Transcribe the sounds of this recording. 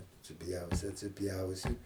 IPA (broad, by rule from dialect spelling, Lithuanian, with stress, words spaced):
ɐtʲsʲɪˈpʲjɛʊsʲɪ ɐtʲsʲɪˈpʲjɛʊsʲɪ